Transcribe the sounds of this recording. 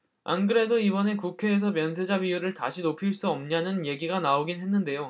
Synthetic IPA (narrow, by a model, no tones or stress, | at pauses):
a̰nɡɯɾe̞doibʌne̞kukʰe̞ːsʰʌmjʌnsʰe̞d͡ʑabijuɾɯɭta̰ɕʰinopʰiɭs͈uʌmɲanɯnje̞ɡiɡanaoɡinɦe̞nːɯnde̞jo